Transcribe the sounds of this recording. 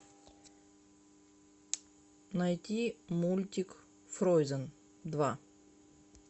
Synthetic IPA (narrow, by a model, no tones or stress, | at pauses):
nɐjtʲimulʲtʲɪk | fɾojzən | d̪va